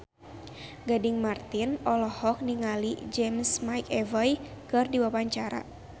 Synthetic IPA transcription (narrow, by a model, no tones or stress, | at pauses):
ɡadɪŋmart̪ɪnɔlɔhɔk̚niŋalid͡ʒɛmsmajkɛvajkɨrdiwapaɲt͡ʃaɾa̰